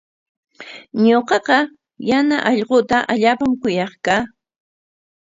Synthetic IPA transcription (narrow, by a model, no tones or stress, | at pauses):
ɲoqɑqɑ | janaʔɑʎqot̪aʔaʎaːpamkʊjɑχkaː